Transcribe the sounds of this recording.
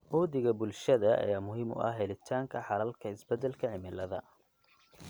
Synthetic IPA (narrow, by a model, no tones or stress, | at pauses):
ʔuːðɪɣɐbʊlʃɐðɐɐ̰jaːmʊɦɪmʊ̰ʔɐ̰hɦɛlɪt̪ʰaːŋkʰɐħɑɾɐlkʰɐɪsbɛd̪ɛlkʰɐʕɪmɪlɐðɐ̰